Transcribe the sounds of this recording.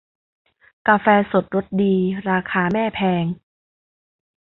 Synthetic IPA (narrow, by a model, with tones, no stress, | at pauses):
ka˧fɛː˧so˨˩t̪̚ɾo˦˥t̪̚diː˧ɾaː˧kʰaː˧mɛː˥˩pʰɛː˧ŋ